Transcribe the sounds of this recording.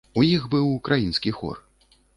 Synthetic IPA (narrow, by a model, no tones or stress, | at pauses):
ujixbɨwukɾʔajinskʲixɔ̰r